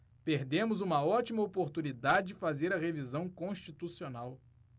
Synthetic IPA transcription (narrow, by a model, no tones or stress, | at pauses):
peɾd̪ẽmʊzũmɐɔt͡ʃimɐopoɾt̪unid̪ad͡ʒɪd͡ʒɪfazeɾɐʁevizɐ̃w̃kõʃt͡ʃit̪usionaw